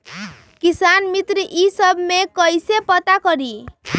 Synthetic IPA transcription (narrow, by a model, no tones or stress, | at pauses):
kisanmit̪ɾiʔisʌbʱmekʌjsepʌt̪akɔɾi